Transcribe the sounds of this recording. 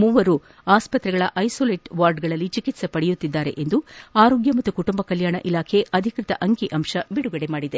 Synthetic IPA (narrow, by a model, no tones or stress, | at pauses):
muːʋɐɾu | aːspɐt̪ɾɛɡɐɭɐʔɐjsoːleːʈʋaːɾɖɡɐɭɐlːit͡ʃikit̪sepɐɽɛjut̪ːid̪ːaːɾe̞̰ʔend̪uaːɾoːɡjɐmɐt̪ːukuʈumbɐkɐljaːɳɐ̰ʔilaːkʰe̞ɐd̪ʱikɾit̪ɐ̰ʔɐŋkiʔɐmʂɐbiɽuɡɐɽe̞maːɽid̪e̞